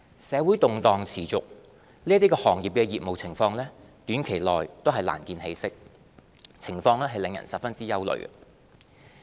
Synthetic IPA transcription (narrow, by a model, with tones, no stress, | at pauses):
sɛː˨˧wuː˨˥jt̪ʊ˨ŋt̪ɔː˨ŋt͡sʰiː˨˩t͡sʊ˨k̚ | liː˥t̪̬iː˥kɔː˧hɔː˨˩ŋjiː˨pkɛː˧jiː˨p̚mo˨wt͡sʰɪ˨˩ŋfɔː˧ŋlɛː˥ | t̪yː˨˥nkʰe˨˩jlɔː˨jt̪o˥wɦɐ˨jla̰ː˨˩nkiː˨˧nhe˨˧jsɪ˥k̚ | t͡sʰɪ˨˩ŋfɔː˧ŋlɛː˥ɦɐ˨jlɪ˨˧ŋjɐ̰˨˩nsɐ˨p̚fɐ˥nt͡siː˥jɐ˥wlɵ̰˨ɥɛ̰˨